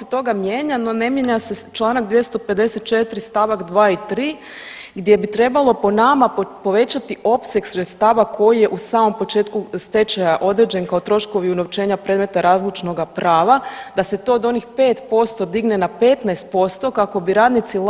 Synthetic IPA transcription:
t̪o̞ɡamjeːɲanone̞mjeɲase̞t͡ʃlˠaːnakd̪ʋje̞st̪o̞pe̞d̪ese̞t̪̚t͡ʃe̞t̪ɾist̪aːʋakd̪ʋaːit̪ɾiː | ɡd̪je̞bit̪ɾe̞balo̞po̞namapo̞ʋe̞t͡ɕat̪iʔo̞pse̞ɡsɾet̪st̪aːʋako̞jije̞ʔusaːmo̞mpo̞t͡ʃeːt̪kust̪e̞t͡ɕajaʔo̞d̪ɾed͡ʑe̞nkaot̪ɾo̞ʃko̞ʋiunoʋt͡ʃe̞ːɲapɾed̪me̞t̪aɾaːzlut͡ʃno̞ɡapɾʔaːʋad̪ase̞t̪o̞ːd̪o̞nixpe̞ːt̪po̞st̪o̞d̪iɡnenape̞t̪naest̪̚po̞st̪o̞kako̞biɾaːd̪nit̪sil

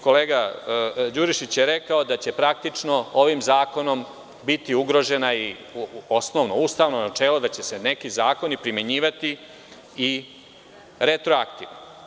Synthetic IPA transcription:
ko̞leːɡa | d͡ʑuɾiʃit͡ɕjeɾe̞kaod̪at͡ɕepɾak̚t̪it͡ʂno̞oʋimzaːko̞no̞m | bit̪iuɡɾo̞ʒe̞nai | o̞sno̞ʋno̞ust̪aːʋno̞nat͡ʃe̞ːlod̪at͡ɕe̞se̞ne̞kizaːko̞nipɾimje̞ɲiːʋat̪i | i | ɾet̪ɾoakt̪iʋni

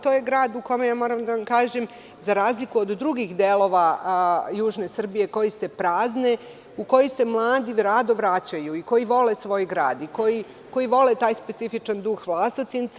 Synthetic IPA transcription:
t̪ojeɡɾaːd̪uko̞mejaːmo̞ːɾamd̪aʋamkaːʒem | zaɾaːzlikuod̪ːɾuɡixd̪eːlˠo̞ʋa | juːʒne̞sr̩bije̞ko̞jise̞pɾaːzne̞ | uko̞jise̞mlˠaːd̪iɾaːd̪o̞ʋɾat͡ɕajuiko̞jiʋo̞le̞sʋo̞ːjɡɾaːd̪iko̞ji | ko̞jiʋo̞let̪aːjspe̞t̪sifit͡ʃand̪uxʋlˠasot̪int̪s

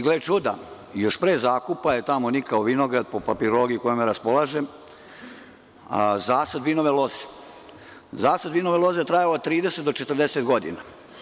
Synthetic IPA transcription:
ɡlet͡ʃud̪a̰ | joʃpɾeːzaːkupajet̪amonikaoʋinoɡɾad̪̚popapiɾolo̞ːɡijiukojomeɾaspolaːʒem | zaːsad̪ʋinoʋeloze̥ | zaːsad̪ʋinoʋelˠo̞zet̪ɾajalot̪ɾiːd̪eset̪̚d̪ot͡ʃet̪r̩d̪eset̪ɡo̞d̪ḭna

